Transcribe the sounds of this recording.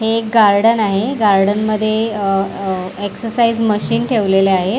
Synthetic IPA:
hekɡaɾɽənaɦeɡaɾɽənməd̪ʱːje | eksəɾsaiːd͡zməɕiːnʈʰeʋleleaɦe

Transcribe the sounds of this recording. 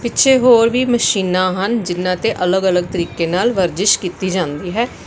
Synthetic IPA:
pɪtːʃʰeːɦoːɾʋiːməʃiːnãːɦənd͡ʒɪnːãːt̪eːʔələɡələɡ̚t̪əɾiːkeːnaːlʋəɾd͡ʒɪʃkiːt̪iːd͡ʒãːnd̪iːɦɛː

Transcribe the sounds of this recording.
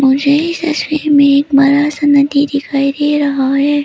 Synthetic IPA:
mʊd͡ʒʱeɪsɐswemẽeːkmɐɾasɐnət̪id̪ɪkʰaːjd̪eɾɐɦaɦɛː

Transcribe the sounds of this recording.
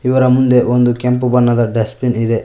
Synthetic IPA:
iʋɐɾɐmund̪e̞ʔond̪ukempubɐnːɐd̪ɐɖesplinid̪e

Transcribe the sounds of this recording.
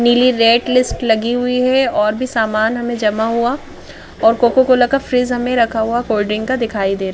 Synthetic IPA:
niːliɾeːʈlɪsʈlɐɡiɦʊiɦɛɔːɾbʱisaːmaːnɦɐmẽd͡ʒɐmaɦua | ɔːɾkoːkokolɐkafɾiːzɦɐmẽɾɐkʰaɦuakoːlɖɾɪ̃ŋɡkad̪ɪkʰaːid̪eːɾa

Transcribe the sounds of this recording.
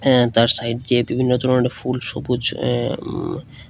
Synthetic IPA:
t̪aɾsajʈ̚d͡ʑebibʱinːod̪ʱɔɾomonefulʃo̰bud͡ʑ

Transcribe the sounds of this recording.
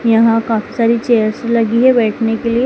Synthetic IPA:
jəɦãkafiːsaɾiːt͡ɕejəɾsləɡiːɦeʋeʈnekelie

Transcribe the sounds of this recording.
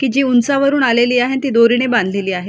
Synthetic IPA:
kiːd͡ʑiunsaʋəɾuːnaleliːaɦent̪id̪oɾiɽ̃ebãnd̪ʱleliːaɦe

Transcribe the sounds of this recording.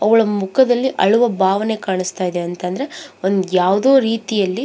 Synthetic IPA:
ɐʋɐɭɐmukʰɐd̪ɐlːiʔɐɭuʋɐbʱaːʋɐne̞kaːɳist̪aːjid̪eɐnt̪ɐnd̪ɐɾe̞o̞nd̪ujaːʋd̪oːɾiːt̪ijɐlːi

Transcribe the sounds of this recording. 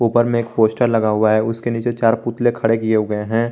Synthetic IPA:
uːpəɾmẽeːk̚poːsʈəɾlɐɡaɦʊaɦɛʊskeniːt͡ʃet͡ʃaːɾpʊt̪lekʰɐɽekieɡɐeɦɛ̃ː

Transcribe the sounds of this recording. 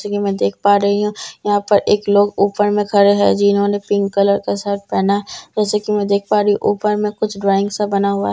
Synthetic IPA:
sekimɛ̃ːd̪eːk̚ʰpaːɾɐɦiɦũjɐɦãpɐɾeːkloːɡuːpəɾmẽkʰɐɾeɦɛ̰d͡ʒɪɪnɦõːnepɪ̃ŋɡkɐləɾkesaːt̪̚ʰpɛːnaɦɛd͡ʒɛːsekimɛ̃ːd̪eːk̚ʰpaːɾɐɦiʔuːpəɾmẽkʊt͡ʃʰɖɾaːɪ̃ŋɡsabɐnaɦʊa̰ɦ

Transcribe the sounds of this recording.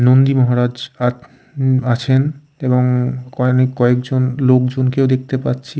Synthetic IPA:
nond̪imɔɦaɾad͡ʑa | at͡ɕʰen | eboŋkɔnekːɔekd͡ʑonlokd͡ʑonkeowd̪ek̚t̪epatːɕʰi

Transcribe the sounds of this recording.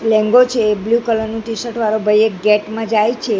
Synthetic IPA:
lɛ̃ŋɡot͡ʃʰeːbljukələɾnũʈisəʈʰʋaɾobʱəjekɡɛʈmãd͡ʒajt͡ʃʰe

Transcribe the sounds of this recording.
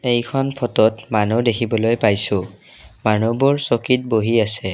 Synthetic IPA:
ejkʰɔnpʰɔtɔtmanudekʰibɔlojpajsʊ̃ | manubɔɹsɔkit̚boɦiasɛ

